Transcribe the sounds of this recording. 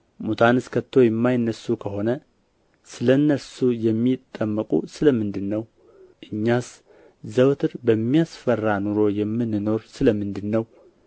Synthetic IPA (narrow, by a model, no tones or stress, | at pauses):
mut̪ʰanɨskʰət̪ʰːo̞jɛmːajnːəsːukʰəho̞nə | sɨlənːəsujɛmːit̪ʼːəmːəkʼṵsɨləmɨnd̪ɨnːəw | ʔɨɲːas | zəwt̪ʰɨɾbəmːijasfərːanuɾo̞jɛmːɨnːɨno̞ɾsɨləmɨnd̪ɨnːəw